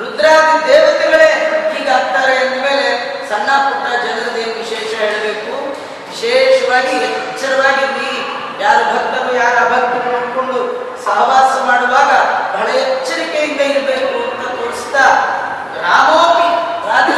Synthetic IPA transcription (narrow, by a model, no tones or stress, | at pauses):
ɾud̪ɾaːd̪id̪eːʋɐt̪ɛɡɐɭeiːɡaːkt̪aːɾeɐnd̪ɐme̞ːle̞ | sɐnːaːkuʈːɐd͡ʒɐnɐɾɐd̪eːʋiʃeːʃɐɦiɭɐbe̞ːku | ʋiʃɛːʃɐʋaːɡit͡ʃːɐɾɐʋaːɡiniː | jaːɾubʱɐɡ̚t̪ɐɾujaːɾabʱɐɡ̚t̪ɐnoɳɖkoɳɖu | sɐɦʋaːsɐmaːɽuʋaːɡɐbʱɐɭɐɛt͡ʃːɐɾikejind̪ɐiɾbe̞ːkuɐnt̪ɐt̪oːɽisi̥t̪a | ɾaːmoːmi | ɾaːd̪ɐ